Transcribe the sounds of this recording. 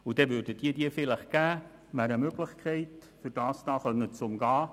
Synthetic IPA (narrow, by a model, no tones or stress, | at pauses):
ʊd̥ɛvʏɾdəd̥iːədiəfɪləχɡ̥æː | mæɾəmøɡ̥lɪχkʰɛɪtfʏɾd̥ɑːsd̥ɑːχœnət͡sʊmɡɑː